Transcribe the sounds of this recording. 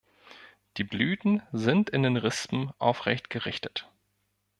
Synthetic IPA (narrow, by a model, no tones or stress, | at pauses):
d̥iːblyːtn̩zɪntɪndeːnʁɪspm̩ʔa̰ʊfʁ̥ɛ̰çtɡ̥əʁɪçtə̥t